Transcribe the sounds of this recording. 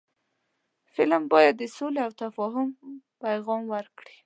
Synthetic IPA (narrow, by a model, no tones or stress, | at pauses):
fɪlmbɑjad̪ːəsoleawt̪afɑɦʊm | pajɣɑmwəɾkɽi